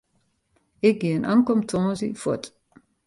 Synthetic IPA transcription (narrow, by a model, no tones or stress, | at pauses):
eɡinʔa̰ŋkɔmt̪ʰɔ̃ːzifɔ̰tʼ